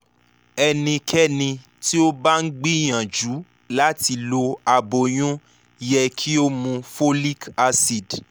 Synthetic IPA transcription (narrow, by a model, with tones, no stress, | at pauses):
ɛ˧nĩ˧kʰɛ˦nĩ˧ | ti˦o˦ba˦ŋ̩˦ɡ͡bi˦j̃ã˨d͡ʒu˨˦ | la˦ti˧lo˧a˨bo˨j̃ũ˦ | jɛ˧kʰi˦o˦mũ˧fo˦li˦ka˧si˨d